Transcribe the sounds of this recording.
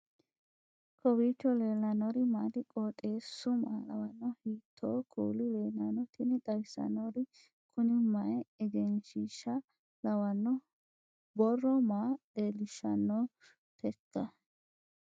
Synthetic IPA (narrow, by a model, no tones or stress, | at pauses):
kɔbiːt͡ʃːɔleːlːɐnɔɾɪmaːd̪ɪkʼɔːt̪ʼe̞ːsːʊma̰ːlɐwɐnːɔhiːt̪ʰːo̰ːkʰṵːlɪleːnɐnɔt̪ɪnɪt̪ɐjsɐ̰nɔɾɪ | kʰʊnɪmɐɛɛɡɛnʃiːʃɐ | lɐwɐnːɔ | bɔrːɔmaːd̪eːlɪʃɐ̰nːoː | t̪ʰɛt̪ːɐ